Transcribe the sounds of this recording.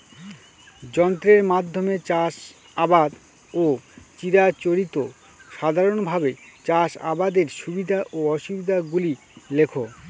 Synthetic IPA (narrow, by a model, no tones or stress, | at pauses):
d͡ʑɔnt̪ɾeɾmad̪ʱːomet͡ɕaʃ | abad̪ | ot͡ɕiɾat͡ɕoɾit̪o | ʃad̪ʱaɾonbʱabet͡ɕaʃa̰bad̪eɾʃubid̪ʱaʔoɔʃubid̪ʱaɡuli | lekʰo